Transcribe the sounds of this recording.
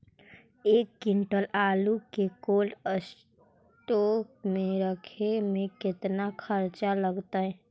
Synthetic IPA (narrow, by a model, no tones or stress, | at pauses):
ekːiɳʈəlalukekoləs | ʈok̚meɾəkʰemẽkɪt̪nakʰəɾt͡ʃaləɡt̪əɦɛ